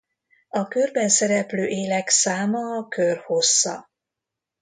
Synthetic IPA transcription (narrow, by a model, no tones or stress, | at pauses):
ɒkørbɛnsɛɾɛpløːʔeːlɛksaːmɒːkørho̞sːɒ̰